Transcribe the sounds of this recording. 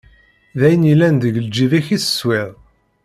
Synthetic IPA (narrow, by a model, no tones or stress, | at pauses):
ðæjənilːænðəʝəld͡ʒiðæçisə̥swɪð